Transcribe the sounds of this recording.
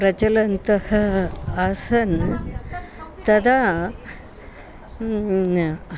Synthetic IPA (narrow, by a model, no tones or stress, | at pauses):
ɾɐt͡ʃɐlɐnt̪ɐhɐasɐn | t̪ɐd̪a